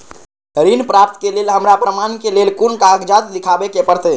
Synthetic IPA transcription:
ɾinpɾap̚t̪kelelɦəmɾapɾəmankelelkunkaɦkd͡ʒat̪d̪ikʰabekepəɾt̪ɛ

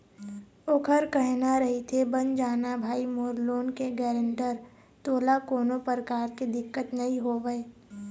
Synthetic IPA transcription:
oːkʰəɾkəɦnaɾɐɦit̪ʰebənd͡ʒaːnabʱaːimoːɾloːnkeɡɛːɾə̃ɳʈəɾ | t̪oːlakoːnopəɾəkaːɾked̪ɪkːət̪nɐɦĩɦoːʋəe

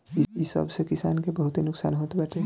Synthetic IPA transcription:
iisə̰bsekɪsaːnkebɐɦʊt̪ɦenʊksa̰ːnɦoːt̪ebɛʈ̪e

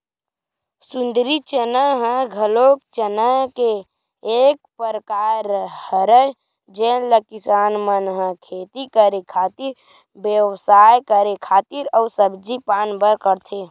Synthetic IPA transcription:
sũnd̪ɾit͡ʃənəɦə̃ɡʱəlok̚t͡ʃənəkeː | k̚pəɾəkaɾhəɾəj | d͡ʒenləkisaːnmənɦə̃kʰeːt̪ikəɾekʰaːt̪iɾ | bjəwsajkəɾekʰaːt̪iɾəʊsəbd͡ʒipaːnbəɾkəɾt̪ʰe

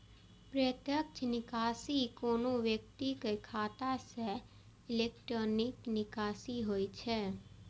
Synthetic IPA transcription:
pɾət̪jəkt͡ʃnɪkasikonũʋjək̚t̪ikəjkʰat̪aʃe | ilekʈɾoniknɪkasiɦojt͡ʃʰe

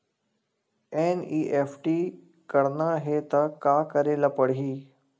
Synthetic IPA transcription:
eːniːʔeːfʈiː | kɐɽnaɦeːt̪ɐkaːkɐɾelapɐɽ̤ɦiː

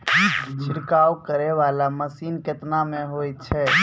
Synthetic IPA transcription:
t͡ʃʰɪɾkaːwkəɾɛʋalaməsinket̪namẽɦojt͡ʃʰɛ

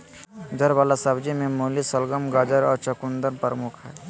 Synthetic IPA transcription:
d̪ɐɾʋaːlasabd͡ʒimẽmoːlisəlɡəmɡaːd͡ʒəɾɔːɾt͡ʃɐkũnd̪əɾpəɾmʊkʰɦɛː

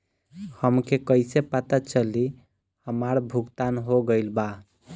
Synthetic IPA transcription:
həmkekəɪsepət̪at͡ʃəli | həmaɾbʱuɡt̪anɦoɡəjlba

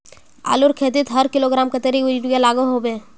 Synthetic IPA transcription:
a̰ːlʊɾkʰeːt̪ɪt̪ɦɐɾkɪloɡɾaːmkɐt̪eɾiiʈujalaːɡoɦobeː

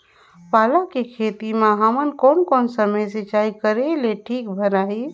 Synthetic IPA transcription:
palakekʰet̪imeɦəmənkonkonsəməjset͡ʃaikəɾeleʈʰikbʱəɾai

